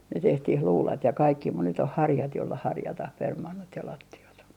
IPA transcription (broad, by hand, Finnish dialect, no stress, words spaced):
ne tehtih luːlɑt jɑ kɑikːi mut nyt oh hɑrjɑt jolːɑ hɑrjɑtɑh permɑnːot jɑ lɑtːiɑt